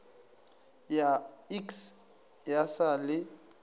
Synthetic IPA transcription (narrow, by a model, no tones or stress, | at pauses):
jaiks | jasalɪ